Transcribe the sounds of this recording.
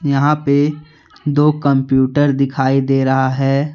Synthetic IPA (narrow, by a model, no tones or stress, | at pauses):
jɐɦãpe | d̪oːkɐ̃mpjuːʈəɾd̪ɪkʰaːid̪eːɾɐɦaɦɛː